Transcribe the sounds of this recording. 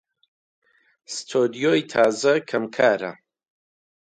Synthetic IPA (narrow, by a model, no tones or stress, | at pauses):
st̪ʰod̪ijoːjt̪ʰaːzɐkʰɐmkʰaːɾɐ̰